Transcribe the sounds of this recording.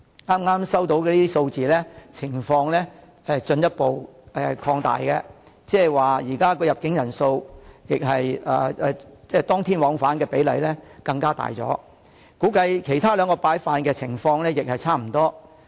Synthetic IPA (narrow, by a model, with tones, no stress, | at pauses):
ŋaː˥mŋaː˥msɐ˥wt̪o˨˥wkɛː˧liː˥iː˥so˧wt͡siː˨lɛː˥t͡sʰɪ˨˩ŋfɔː˧ŋlɛː˥ | ɛ˨t͡ʃɵ˧njɐ˥t̚po˨wɛː˨˩kʰɔː˧ŋt̪a̰ː˨jkɛ˧ | t͡sɛː˥waː˨jiː˨˩kaː˥kɔː˧jɐ˨p̚kɪ˨˥ŋjɐ˨˩nso˧wjɪ˨k̚ɦɐ˨jɐː˨˧ɛ˧t͡sɛː˥t̪ɔː˥ŋt̪ʰiː˥nwɔː˨˥ŋfaː˨˥nkɛː˧pe˨˥jlɐ˨jlɛ˥kɐ˧ŋkaː˥t̪a̰ː˨˩jt͡sɔ̰ː˨˥ | kuː˨˥kɐ˧jkʰe˨˩jt̪ʰaː˥lœː˨˧ŋkɔː˧paː˨˥jfaː˨˧nkɛː˧t͡sʰɪ˨˩ŋfɔː˧ŋlɛː˥jɪ˨k̚hɐ˨jt͡sʰaː˥m̩˨˩t̪ɔː˥